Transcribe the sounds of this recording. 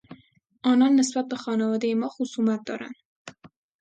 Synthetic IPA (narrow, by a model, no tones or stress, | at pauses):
ɔnɑnːɪsbat̪̚bəxɑnavɑːd̪ejemɒxusumat̪̚d̪ɒ̰ɾa̰n